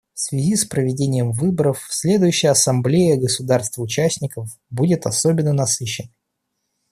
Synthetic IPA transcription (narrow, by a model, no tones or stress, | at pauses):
fsvʲɪzʲispɾəvʲɪdʲenʲɪjəmvɨbəɾəfsʲlʲe̞d̪ʊjʉɕːɪjəɐsɐmblʲejəɡəsʊd̪arst̪vʊt͡ɕæsʲnʲɪkəf | budʲɪt̪ɐsobʲɪnːənɐsɨɕːɪnə